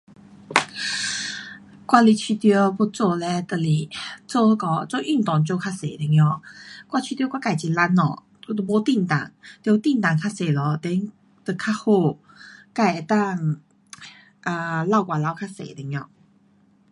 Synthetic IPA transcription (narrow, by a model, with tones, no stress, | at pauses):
kwa˥˧li˧t͡ɕʰi˧t̪jɔ˧bɔ˥˧t͡sɔ˥˧˨lɛ˧t̪ə˧˨li˨˩t͡so˥˧kɔ˧t͡so˥˧ʔy˥˨nt̪ɔ˨˩ŋt͡ɕjo˥˧kʰa˥sḛ˨˩˨lə˨˩ŋjɔ˧˩kwa˥˧˨t͡ɕʰy˧jo˧˦kʷwa˥˧ka˧˨˩t͡ɕi˧˨la˧˥nɔ̰˨˧˦ | t̪bɔ˧˦t̪i˥˨nt̪a̰˨˩ŋt̪jo˧t̪i˥˧nt̪a˨˩ŋkʰa˥se˨˩lɔ˧˦t̪ɛ˧˦ŋ | t̪ə˧˩kʰa˥ho˥˩ | ka˥˧˩e˨˧t̪a˥˧ŋ | a˧la˥˧ʊkwa˨˩la˧˦wkʰa˥sḛ˨d̪ə˨˦ŋjɔ̰˧